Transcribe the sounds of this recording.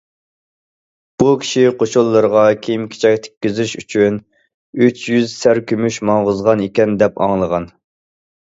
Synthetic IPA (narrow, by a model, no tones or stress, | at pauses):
b̥ukʲʰi̥ʃiqʰoʃʊlˠːəɾəʁɑkʲʰejimkʲʰe̥t͡ʃʰɛk̚ʲt̪ʰe̥kʲːizyʃyt͡ʃʰyn | yt͡ʃʰjyzsæɾkʲømyʃmɑŋʁʊzʁɑnekʲɛnd̪ɛpɑ̰ŋlˠəʁɑn